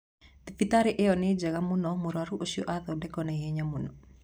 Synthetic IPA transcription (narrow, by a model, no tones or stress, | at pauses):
ðifitaɾeʔeɔned͡ʒaɣamunɔmoɾwaɾuʔoʃiɔ̰ʔaðɔdɛkɔnaiɦɛɲamunɔ